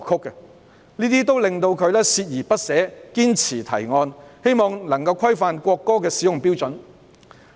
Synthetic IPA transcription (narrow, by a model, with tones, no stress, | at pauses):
kʰʊ˥kːɛ˧ | niː˥t̪iː˥t̪o˥wlɪ˨ŋt̪o˧wkʰɵ˨˧ɥlɛː˥siː˧t̚jiː˨˩pɐ˥t̚sɛː˨˥kiː˥nt͡sʰiː˨˩t̪ʰɐ̰˨˩jŋɔː˧nhe˥jmɔː˧ŋnɐ˨˩ŋkɐ˧wkʰɐ˥jfaː˧nkʷɔː˧kːɔː˥kɛː˧siː˨˥jʊ˨˩ŋpiː˥wt͡sɵ˨˥n